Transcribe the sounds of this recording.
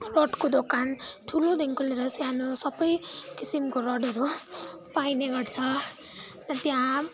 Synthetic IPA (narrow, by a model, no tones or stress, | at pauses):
roʈkod̪okanʈʰulod̪ʱeŋkʰuleɾʌsjãnosʌbʌjkisimkoɾʌɖʌɾu | pajneɡʌʈt͡sʰʌ | nʌt̪jã